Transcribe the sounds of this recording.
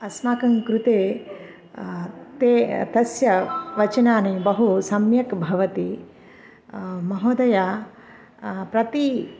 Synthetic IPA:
ɐsmaːkɐŋkɾut̪eː | t̪eːt̪ɐsjɐʋɐt͡ʃɐnaːnibɐɦusɐmjɐkbʱɐʋɐt̪i | mɐɦoːd̪ɐja | pɾɐt̪i

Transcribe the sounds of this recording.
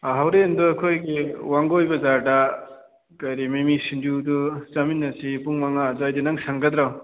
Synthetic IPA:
aɦawɾenduɐkʰojɡiwaŋɡojbɐzaɾda | kajɾimemisind͡ʒudut͡ʃɐminːɐsipuŋmaŋazajdinɐŋsaŋɡɐd̪ɾaw

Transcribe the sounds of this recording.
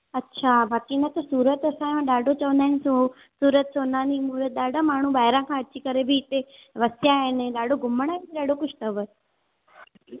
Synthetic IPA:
ətːʃʰabʱat̪inət̪osuːɾət̪əsããɗaːɖot͡ʃəʋnd̪ansu | suːɾət̪̚soːnãnimuɾət̪̚ɗaːɖamaːɳ̤ũbaːjɾãkʰãət͡ʃikəɾebʱit̪eʋəsjaeneɗaːɖoɡʊmːəɳ̃aiɗaːɖokʊt͡ʃʰt̪əʋət

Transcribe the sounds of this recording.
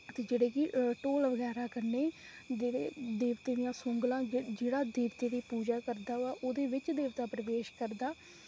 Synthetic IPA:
ət̪eːd͡ʒeːɽeːkɪʈoːlʋəɡɛːɾaːkəɾneː | d͡ʒeːɽeːd̪eːʋt̪eːd̪ɪjãːsʊŋɡlãːd͡ʒeːɽaːd̪eːʋt̪eːd̪iːpuːd͡ʒaːkəɾd̪aːaːʔoːd̪eːʋɪt͡ʃd̪eːʋt̪aːpɾəʋeːʃkəɾd̪aː

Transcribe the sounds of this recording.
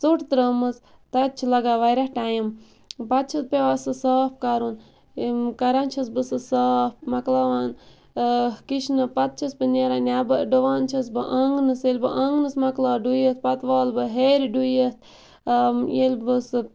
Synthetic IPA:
t͡soʈt̪ɾəːmɨs | t̪ɐt̪̚t͡ʃʰilɐɡaːʋajɾahʈaːjim | pɐt̪̚t͡ʃʰɨt̪̚pʲeʋasɨsaːp̚kaɾun | kɐɾant͡ʃʰɐsbɨsɨsaːp̚mɐklaʋaːn | kiʃnɨpɐt̪̚t͡ʃʰisbɨnʲeɾanʲabɨɖəʋaːnt͡ʃʰɐsbɨʔɐŋɡnɨselʲbɨʔɐŋɡnɨsmɐklaːɖujət̪̚ʰpɐt̪ʋaːlbɨɦeɾiɖujət̪̚ʰ | jelʲbɨsɨ

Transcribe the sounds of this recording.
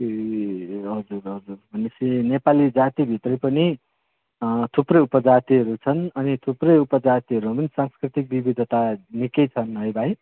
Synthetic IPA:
ɦʌd͡zurɦʌd͡zurbʱʌnesʰinepalid͡zat̪ibʱit̪rʌjpʌni | t̪ʰuprʌjupʌd͡zat̪iɦʌɾut͡sʰʌnʌnit̪ʰuprʌjupʌd͡zat̪iɦʌɾupʌnisãŋskrit̪ik̚bibid̪ʱʌt̪anikʌjt͡sʰʌnɦʌjbʱaj

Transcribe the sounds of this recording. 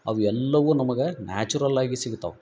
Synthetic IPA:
ɐ̰ʋuɛlːɐʋũnɐmɐɡɐna̰ːt͡ʃuɾɐlaːɡisiɡut̪ːa̰ːʋ

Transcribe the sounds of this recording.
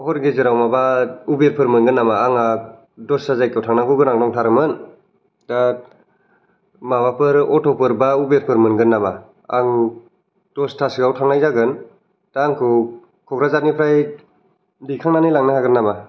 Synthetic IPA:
hɔɾɡeziɾawmabaubeɾpʰɯɾmɯnɡɯnːamaːŋa | dɔsazajkawtʰaŋnaɡɯɡɯnaŋdɔŋtʰaɾɯmɯn | da | maβapʰɯɾɔtʰɔpɯɾbaubeɾpʰɯɾmɯnɡɯnːama | a̰ŋ | d̥ɔstʰasiɡawtʰaŋnajzaɡɯn | taŋkʰɯ | kʰɔkɾazat̚nipʰɾaj | dikʰaŋnanilaŋnɯhaɡɯnːama

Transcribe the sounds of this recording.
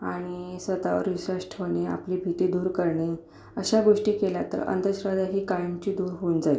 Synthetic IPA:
aɽ̃isʋət̪aʋə̰ɾʋiɕəʂʈʰʋəɳea̰pliːbʱit̪iːd̪uːɾkəɾɳe | əɕaɡoʂʈiːkelat̪ə̰ɾə̰nd̪əɕɾad̪aɦiːkajəmt͡ɕiːd̪uːɾɦond͡zali

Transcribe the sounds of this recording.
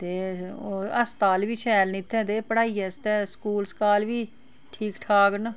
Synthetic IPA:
t̪eːoːəst̪aːlʋiːʃʰɛːɾnit̪ʰːɛ̃ːt̪eːpəɽaːiɛːst̪ɛːskuːlskaːlʋiː | ʈʰiːkʈʰaːɡn

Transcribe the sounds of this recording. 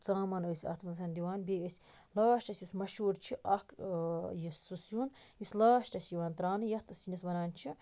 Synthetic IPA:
t͡saːmɐnəːsʲɐ̰t̪ʰmɨnsʰɐnʲd̪iʋaːnbeːəsʲ | laːʃʈɐsʲjismɐʃuːɾt͡ʃʰiʔɐkjisːusjunjisʲlaːʃʈɐsʲjiʋant̪ɾaːnɨjɐt̪ɨsinisʋɐnaːnt͡ʃʰi

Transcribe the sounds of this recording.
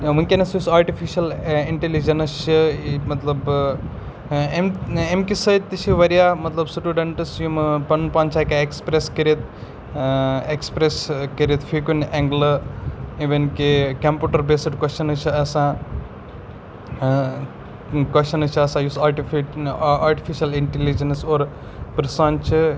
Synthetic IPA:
ʋuŋkʲenɐsjusaːɾʈifʰiʃɐliɳʈelid͡ʒɐnɐʃɨmɐt̪lɐb | ememkisɐt̪it͡ʃiʋɐɾijamɐt̪lɐbsuʈuɖɐɳʈɐsjumpɐnpãːnt͡ʃʰaːkaekspɾeskɐɾit̪ | ekspɾeskɐɾet̪fʰikuneŋɡlɐiʋenkekɐmpjuːʈɐɾbesɐʈkɐʃɐnɨt͡ʃʰiɐsã | kwɐʃɐnɐt͡ʃʰɐsãjusaɾʈi | aːɾʈifiʃɐliɳʈelid͡ʒɐnsoːɾ | pɾsant͡ʃʰi

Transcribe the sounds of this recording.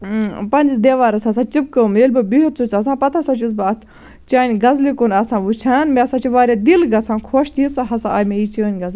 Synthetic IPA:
pɐnʲd͡ʒisd̪eʋaːɾɐsɐsãːt͡ʃip̚kəmelʲbɨbiɦut̪t͡sut͡sɐsãːpɐt̪ʰasat͡ʃʰisbɨɐt̪ʰ | t͡ʃaːnʲɡɐzlikunɐsãːʋut͡ʃʰaːnmeɐsãːt͡ʃʰiʋaːɾʲad̪ilɡɐsʰãːnkʰoːʃt̪it͡saɦɐsãaːjmeit͡ʃʰiʋɐnʲɡɐz

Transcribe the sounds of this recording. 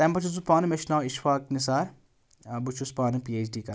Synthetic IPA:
t̪empɐt͡ʃuzupaːnɨmeʃnaːiʃfaːknisaːɾ | but͡ʃʰuspaːnɨpiːeːt͡ʃɖiːkɐ

